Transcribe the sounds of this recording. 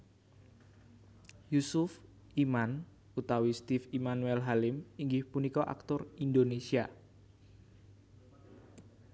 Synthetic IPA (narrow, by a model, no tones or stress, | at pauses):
jusʊf | iman | ut̪awist̪ifimanuɛlɦalɪmiŋɡɪhpunikɔʔa̰k̚t̪ʊrind̪onesia